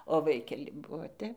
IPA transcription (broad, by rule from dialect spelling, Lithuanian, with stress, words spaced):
oː ˈʋɐɪkʲɛlʲɪ ˈbuɔ ˈtʲɛp